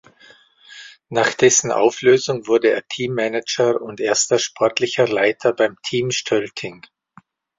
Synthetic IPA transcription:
naːχd̥ɛsn̩ʔa̰ʊfløːzʊŋvʊɐdəḛːɐtʰiːmːɛnɪd͡ʒəʊntʔeːɐstɐʃpʰɔɐtlɪçɐlaɪtʰɐbaɪmtʰiːmʃtʰœltʰɪŋ

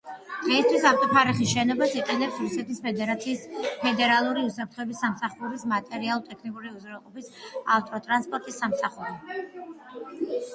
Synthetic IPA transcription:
d̪̥ʁɛist̪ʰwisaft̪ʼɔpʰaɾiχisʃɛnɔbasiqʼɛnɛpsɾusɛt̪ʰispʰɛd̪ɛɾat̪sʰiːspʰɛd̪ɛɾalˠuɾiusapʰɾt̪χɔɛbisːamsaχuɾismat̪ʼɛɾialˠɔt̪ʼɛkʰnikʼuɾiuzɾɛlˠqʼɔpisaft̪ʼɔt̪ʼɾanspʼɔɾt̪ʼisːamsaχuɾi

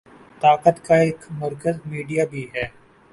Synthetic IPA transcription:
t̪aːqət̪kaeːkmɐɾkəzmiːɖijabʱiɦɛː

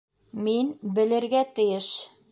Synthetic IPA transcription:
minbɘ̆lɘ̆ɾɡæt̪ɘ̆jɘʃ

